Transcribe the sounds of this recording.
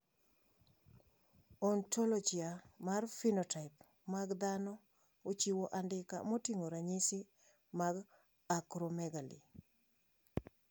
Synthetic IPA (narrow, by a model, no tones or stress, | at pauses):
ɔntolɔd͡ʒiamarfinɔtaɪp | maɡd̪anɔ | ot͡ʃiwoʔandɪka̰mɔtiŋoɾaɲisi | maɡ | akɾɔmɛɡalḭ